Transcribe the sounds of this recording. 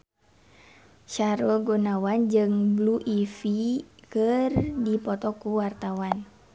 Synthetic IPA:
ʃaɾɔɡɔnawand͡ʒɨŋbluʔifikɨrdipɔt̪ɔkuwart̪awan

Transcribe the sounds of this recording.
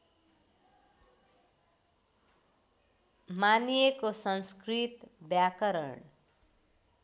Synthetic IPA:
manijekosʌnskrit̪bjakʌɾʌ̰ɳ

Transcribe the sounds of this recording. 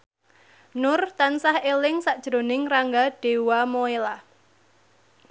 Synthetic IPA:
nʊrt̪ansahelɪŋsaʔd̥ʒ̥ɾo̤nɪŋraŋɡaɖ̥e̤wamoela

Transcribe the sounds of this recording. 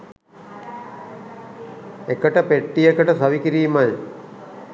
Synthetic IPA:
ekəʈəpeʈːijekəʈəsɐʋikiɾiːmaj

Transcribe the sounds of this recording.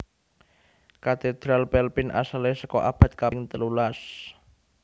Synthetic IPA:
kat̪ed̪̥ɾalpɛlpɪnʔa̰salesəkɔʔab̥a̤t̪̚kaŋt̪əlulas

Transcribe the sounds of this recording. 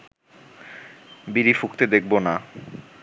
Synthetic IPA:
biɾifukt̪ed̪ek̚ʰbona

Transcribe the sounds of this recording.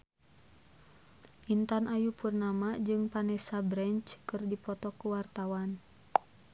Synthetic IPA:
ʔint̪anʔajupurnamad͡ʒɨŋpanɛsabɾɛnt͡ʃkɨrdipɔt̪ɔkuwart̪awan

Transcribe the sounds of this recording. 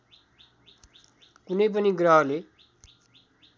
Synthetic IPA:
kunʌjp̬ʌniɡraɦle

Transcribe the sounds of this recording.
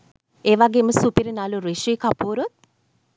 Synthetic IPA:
eːʋaɡeːməsupiɾinaluɾiʃʋiːkapuːɾut̪̚

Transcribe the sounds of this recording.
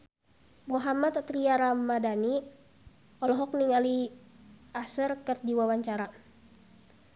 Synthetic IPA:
muɦamat̪t̪ɾiaɾamadani | ɔlɔɦɔk̚niŋali | asərkərd͡ʒiwawaɲt͡ʃaɾa

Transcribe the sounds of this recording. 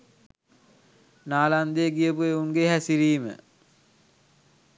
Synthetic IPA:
naːland̪eɡijəpueuŋɡeɦæsiɾiːmə̰

